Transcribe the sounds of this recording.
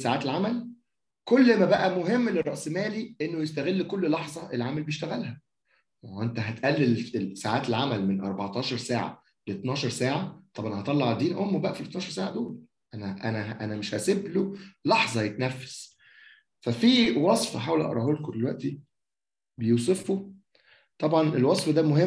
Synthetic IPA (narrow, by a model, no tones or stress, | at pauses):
saʕaːt̪elʕamæl | kolːmæbæʔæmoɦemːlerɾˤɑʔsmæːliʔenːojest̪æɣelːkolːlɑħzˤɑʔelʕamælbejeʃt̪æɣælhæ | wʔent̪æɦæt̪ʔælːelesaʕaːt̪elʕamælmenʔɑɾˤbɑʕt̪ˤɑːʃɑɾˤsaːʕa̰ | leet̪nɑːʃɑɾˤsaːʕat̪ˤɑbʕɑnhɑt̪ˤɑlːɑʕd̪iːnʔomːobæʔæfilet̪nɑːʃɑɾsaːʕad̪oːl | ʔænæʔæ̰næɦʔænæmeʃhæseblolɑħzˤɑjet̪næfːæ̥s | fæfiːwɑsˤfħaːwelʔɑ̰ʔɾˤɑ̰holkod̪elwæʔt̪i | bejuːs̬ˤefːo | t̪ˤɑbʕɑnelwɑsˤfd̪æmoɦe